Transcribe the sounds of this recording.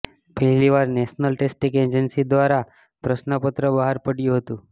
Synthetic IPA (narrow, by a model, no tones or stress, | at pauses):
pəɦliʋaɾneʃnəlʈesʈiked͡ʒənsid̪ʋaɾa | pɾəʃnəpət̪ɾəbəɦaɾpəɽjũɦət̪ũ